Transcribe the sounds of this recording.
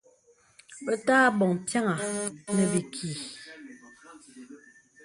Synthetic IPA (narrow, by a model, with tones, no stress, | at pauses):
ə˦taː˦bɔ˨ŋpja˦ŋa˨nə˨bi˨kʰiː˨